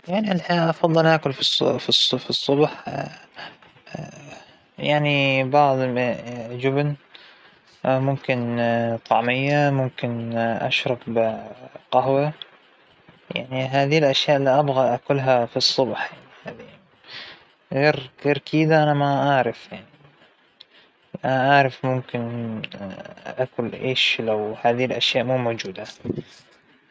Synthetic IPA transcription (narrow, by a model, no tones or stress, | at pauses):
jaʕniʔalħaʔɑfɑðˤːɨlʔaːkʊlfisˤfisˤfisˤːʊbħ | jaʕnibɑʕðˤ | d͡ʒʊbn | mʊmkɪnt̪ˤɑʕmɪjːamʊmkɪnʔa̰ʃɾˤɑb | qɑɦwa | ja̰ʕniɦaːðilʔaʃjaːʔlːiʔabɣaʔakʊlɦafisˤːʊbħjaʕnihaːði | ɣeːɾtɑɾkʰiːd̪aʔanamaʔaːɾɪfjaʕni | ʔanaʔaːɾˤɑfmʊmkɪn | ʔakʊlʔeːʃlawhaːðilʔaʃjaːʔmuːmowd͡ʒuːd̪a